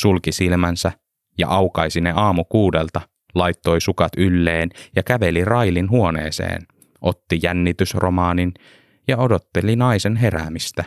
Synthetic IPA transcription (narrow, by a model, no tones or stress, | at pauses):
sulkisilmænsæ | jɑ̰ʔɑwkɑjsineɑːmukuːdelt̪ɑ | lɑjt̪ːo̞jsukɑt̪ylːeːnjɑkæʋe̞lirɑjlinɦuonḛːsḛːn | ʔo̞t̪ːijænːit̪ysrʔo̰mɑːnin | jɑodo̞t̪ːelinɑisenɦeɾæ̰mist̪æ